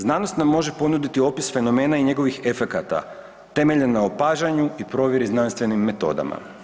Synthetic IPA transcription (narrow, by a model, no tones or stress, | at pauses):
znaːnost̪namːo̞ʒe̞po̞nud̪it̪io̞pisfe̞no̞me̞ːnaiɲe̞ɡo̞ʋixe̞fe̞kat̪a̰ | t̪e̞me̞ʎenːaopaːʒaɲuipɾo̞ːʋjeɾiznanst̪ʋe̞nimːe̞t̪o̞̰ːd̪a̰ma̰